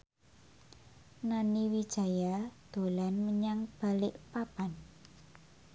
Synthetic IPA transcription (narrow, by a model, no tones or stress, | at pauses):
naniwid̥ʒ̥a̤jad̪̥o̤lanməɲaŋb̥a̤lɪʔpapan